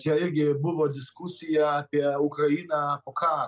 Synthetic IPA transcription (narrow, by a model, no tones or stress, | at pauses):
tiaɛɡɛbuvɔd̪iskusiapiaukɾainapɔkʰaɾ